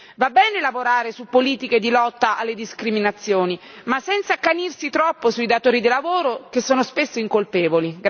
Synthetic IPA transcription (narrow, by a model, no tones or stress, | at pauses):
vabːɛːnelavoɾaːɾesupːoliːt̪iked̪ilɔt̪ːaʔalːed̪iskɾiminat̪sːjoːni | masːɛnt̪sakːanirsit̪ɾɔpːosuid̪at̪oːɾid̪ilavoːɾokesːoːnospesːoiŋkolpɛːvoliɡ